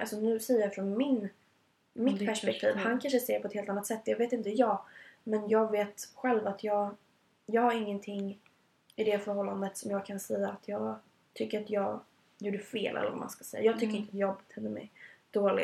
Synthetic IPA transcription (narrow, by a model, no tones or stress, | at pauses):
ʔalsɔnʉ̟ːsɛjːəɾjɑfɾɔnmɪn | mɪt̪pʰæʂpɛkt̪ʰḭːvhankʰanʂəsɛjəɾpʰɔɛt̪heːlt̪anːat̪sɛt̪ːjɑːɡveːt̪ɪnt̪əjɑːɡmɛnjɑːɡveːt̪ɧɛlvat̪ʰjɑːɡ | jɑːɡhaɾɪŋːənt̪ʰɪŋː | ɪd̪ɛfœɾhɔlːand̪ət̪sɔmjɑːɡ̚kʰansɛjːaːt̪ʰjɑːɡ | t̪ʰʏkːəɾat̪jɑːɡ | juːɖəfḛːlʔɛ̰lːəɾva̰ma̰nskḁsɛjːa̰jɑːɡ̚t̪ʏkːəɾɪnt̪əat̪jɔbət̪ʰhɛlːəmɛ̰d̪̥oːlɪ̰